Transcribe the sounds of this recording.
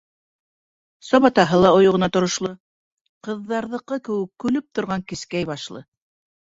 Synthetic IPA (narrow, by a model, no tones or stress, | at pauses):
sɒβɑt̪ɑɦɤlˠɑŏjŏʁɤ̆nɑt̪ŏɾŏʃlˠɤ | qɤ̆ðːɑɾðɤ̆qɤkɘ̆wɘkːʉlɵp̚t̪ŏɾʁɑŋkɘ̆skæjβɑʃlˠɤ̰